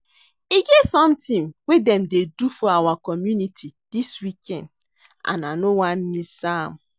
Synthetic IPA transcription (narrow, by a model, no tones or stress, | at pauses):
iɡevsɔ̃mtĩŋwedɛ̃mdedufɔawakɔmjunitʰid̥iswikʰɛ̰̃nd | a̰nanowan̩misam